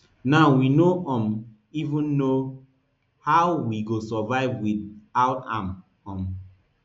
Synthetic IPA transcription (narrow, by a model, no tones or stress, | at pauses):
naʊwinoʔɔ̃m | ivũnːo | hawwiɡosɔvaɪvwidaʊãm | ɔ̃m